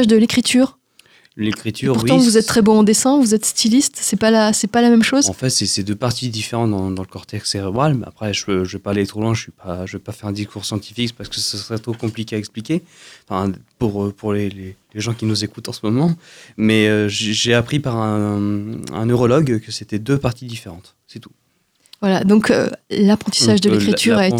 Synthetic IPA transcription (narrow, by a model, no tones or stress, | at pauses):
ʒd̪əlekχit̪ʰyːʁ | lekχit̪ʰyyʁpuʁwiɑ̃vuzɛt̪ːχɛbɔ̃ɑ̃d̪esɛ̃vuzɛt̪st̪ilist̪sɛpalasɛpalamɛmʃozɑ̃fɛt̪sɛsɛd̪øpaʁt̪id̪ifeʁɑ̃t̪d̪ɑ̃d̪ɑ̃ləkɔʁt̪ɛkseʁebʁala̰pχɛʒəøʒəvɛpaːlet̪χolwɛ̃ʒəsɥipaʒəvɛpafɛʁɛ̃d̪iskuʁsjɑ̃t̪i̥fikpaʁsə̥kəsəsəʁɛt̪χokɔ̃plikʲeaɛksplikʲefɛ̃puʁøpuʁleleleʒɑ̃kʲinuzekut̪ɑ̃səmɔmɑ̃mɛøʒeʒeapχipaʁɛ̃ | ɛ̰̃nøʁɔlɔɡkəset̪ɛd̪øpaʁt̪id̪ifeʁɑ̃t̪ | sɛt̪u̥ | vwalad̪ɔ̃kø̰lapχɑ̃t̪i̥saʒd̪əlekχit̪yʁa